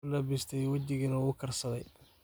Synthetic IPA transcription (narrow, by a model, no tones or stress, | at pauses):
lɐbɪst̪ʰɛjwɐt͡ʃɪɣinɐɣʊkʰɐrsɐðɛj